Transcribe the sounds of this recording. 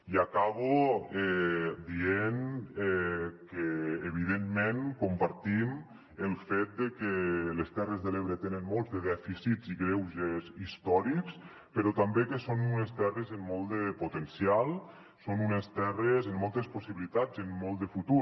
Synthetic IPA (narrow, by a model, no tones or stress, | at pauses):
iakaβuɛd̪ienɛkeːβ̞iðemːeŋkompaɾt̪im | əlˠfet̪̚d̪ekelest̪ɛrezðəleβɾet̪enənmolˠzðeðɛfisiziɣɾewʒezist̪ɔɾiks | pəɾɔt̪ambekesonunest̪ɛrezemːɔlˠd̪əpot̪ensialˠ | sonunest̪ɛrezemːɔlˠt̪esposiβilit̪ad͡zemːɔlˠt̪d̪əfut̪u